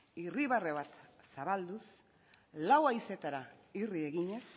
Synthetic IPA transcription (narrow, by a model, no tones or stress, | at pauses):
iriβ̞are̞βat̪saβald̪us | lawajse̞t̪aɾairie̞ɣiɲe̞s